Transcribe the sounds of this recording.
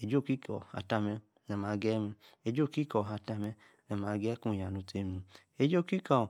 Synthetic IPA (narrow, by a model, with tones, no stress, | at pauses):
e˨d͡ʒo˦˨ki˦kɔ̰˨ha̰˨ta˧mɛ˧˦ | nɛ˨maː˨˧˦ɡɛ˦mi˧ | e˧˦d͡ʒo˦˨ki˦kɔ˨ɦa˧ta˧mɛ˧˦ | nɛ˨ma˨˧˦ɡɛ˦ku˦˨ja˨nu˧te˧˦mũ˧ | e˧˦d͡ʒo˦˨ki˦ka˨